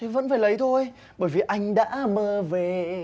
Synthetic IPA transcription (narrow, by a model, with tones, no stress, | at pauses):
t̪ʰe˨˦və̰˧˥nfaː˧˩jlə˨˦jt̪ʰo˧j | ɓəː˧˩jvi˨˩ʔa˧jŋ̟ɗa̰ː˧˥məː˧˩ve˨˩